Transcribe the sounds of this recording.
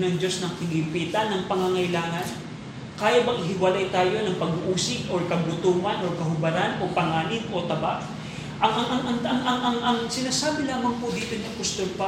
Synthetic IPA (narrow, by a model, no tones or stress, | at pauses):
nɐŋd͡ʒo̞snɐŋkɪŋɪmpiːt̪ɐnɐŋpɐŋaŋɐjlaːŋɐn | kaːjabɐŋʔɪɦɪwɐlajt̪aːjo̞nɐŋpɐɡuʔuːsɪkʔoɹkɐɡʊt̪uːmɐnʔoɹkɐɦʊbɐɾanʔo̞pɐŋaːlɪɡ̪ʔo̞t̪ɐba̰ʔ | ʔɐŋʔɐŋʔɐŋʔɐŋɐŋʔɐŋʔɐŋʔɐŋsɪnaːsaːbɪlaːmɐŋpʊd̪iːt̪onɪkʊst̪olpa